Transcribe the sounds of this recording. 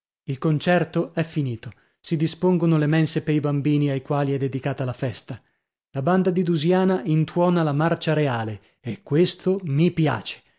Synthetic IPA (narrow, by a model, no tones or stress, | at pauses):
ilkont͡ʃɛrt̪oɛfːiniːt̪o | sid̪ispoŋɡonolemɛnsepejbambiːniajkwaːliɛd̪ːed̪ikaːt̪alafɛst̪a | laband̪ad̪id̪uzjaːnaʔint̪wɔːnalamart͡ʃaɾeaːle | ekːwest̪ʰomipja̰ːt͡ʃe̥